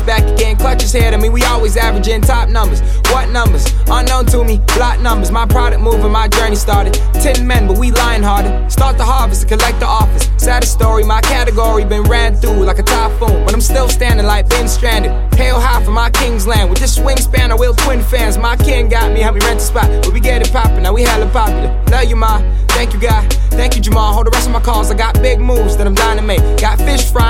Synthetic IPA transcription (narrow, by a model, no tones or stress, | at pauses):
b̥ækɨɡɛ̃nkʰl̥ʌt͡ʃɨz̥hɛɾaɪmĩnwiɔlˠwizævɹəd͡ʒɪ̃ntʰɑp̚nʌ̃mbə˞z̥ | wʌtⁿnʌ̃mbə˞z | ə̃nːõʊ̃ntʰəmib̥læt̚ⁿnʌ̃mbə˞zmaɪpʰɹ̥ɑɾɨk̚muvə̃nmaɪd͡ʒɜ˞nistɑɹɾɨd̚ | tʰɪ̃nmɛ̃nbʌt̚wilãɪɨ̃nɦɑɹɾɨd̚stɑɹt̪̚ðəhɑɹfɨsʰə̥kʰəlɛk̚t̪̚ðəɔfɨsːæɾɨstɔɹimaɪkʰæɾɨɡɔɹibɨ̃nɹæ̃nθulaɪkɨtʰɑpfõʊ̃nbʌɾãɪ̃mstɪlˠstæ̃ndɪ̃ŋlaɪk̚b̥ɪ̃ŋstɹ̥æ̃ndɨd̚pʰeɪlˠɦæfə̃maɪkʰɪ̃ŋzlæ̃nwɨd͡ʒɪsswɪ̃mspæ̃nəwɪlˠtʰw̥ɪ̃nfæ̃nzmaɪkʰɪ̃nɡɑt̚mihɛ̃vĩɹæ̃ntʰə̥spaɪwɨd̚biɡɛɾɨ̃pʰɑpə˞naʊwihælə̃npʰɑpjl̩ˠətʰɛlˠjɨma | θæ̃ŋkjɨɡaɪ | θæ̃ŋkjɨd͡ʒəmɑhoʊðə˞ɹɛstʌvmaɪkʰɔzaɪɡɑt̚b̥ɪɡ̚muvzðɨɾãɪmdãɪ̃nɨmeɪkɡɑtfɪʃfɹã